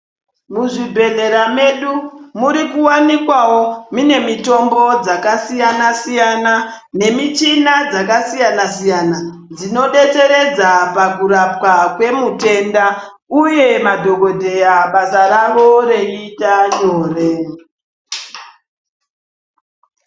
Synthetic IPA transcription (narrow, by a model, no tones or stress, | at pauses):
muʐibʱe̞ɮe̞ɾame̞ɗumuɾikuwanikwawomine̞mito̞mbo̞d͡zakasijanasijana | ne̞mit͡ʃinad͡zakasijanasijana | d͡zino̞ɗe̞t͡se̞ɾe̞d͡zapakurap̚kakwe̞mute̞nda | uje̞madʱo̞ɡo̞dʱe̞jaɓasaraʋo̞reitat͡ʃoːre